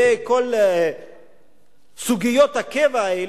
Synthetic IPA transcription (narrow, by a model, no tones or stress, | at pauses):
eko̞l | suɡijot̪hakevael